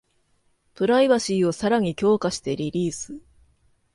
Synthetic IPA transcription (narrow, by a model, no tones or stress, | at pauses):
t̪oɾaiβaɕiːo̞saɾaɲ̟ikʲo̞ːkaɕi̥t̪e̞ɾʲiɾʲiːsɨ